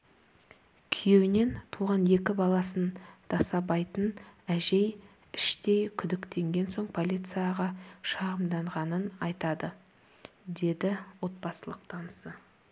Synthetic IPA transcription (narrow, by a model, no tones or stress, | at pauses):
kʲʰʏje̞wɪne̞nt̪ʰuʁɑnje̞kʲɪbɑlˠɑsənd̪̥ɑsɑbɑjt̪ənæʒe̞j | ɪʃt̪e̞jkʲʰʏd̪ɪkt̪e̞ŋɡʲe̞nso̞ɴpʰo̞lʲijt̪sɨjaʁɑʃɑʁəmd̪ɑɴʁɑnənɑjt̪ɑd̪ə | d̪e̞d̪ɪwo̞t̪̚bɑsəlˠəq̚t̪ʰɑnəsə